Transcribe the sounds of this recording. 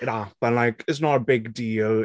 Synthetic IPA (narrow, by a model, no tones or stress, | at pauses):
jab̥ə̃nlaɪkʰɪtsnəɾəbɪɡdiːl